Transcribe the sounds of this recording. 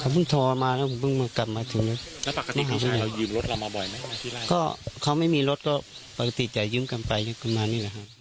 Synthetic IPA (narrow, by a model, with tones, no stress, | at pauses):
kʰaː˧˩bɯ˧˥˨ŋt̪ʰɔː˧maː˧lɛː˧˩˨kʰbɯ˧˥˨ŋma˧˨ka˨˧˩p̚maː˧t̪ʰɯː˨˦le˧˩tlɛ˦pa˨˧ka˧tmai˧˨˧ɦaː˨˩mʰa˧˨da˨˧jɯː˧mlo˦˥t̪̚la˧wmaː˧bɔ˨˩jma˦a˧˨˧kɔː˧˩˨kʰa˧˩wma˥˨jmiː˧˨lo˦˥t̪̚kɔː˧˩pa˨ka˧t̪i˧˩t͡ɕa˨˩jɯː˧˥˨mka˨npa˨jɲa˧ŋkʰmaː˧niː˧˩˨la˨˩ɦa˧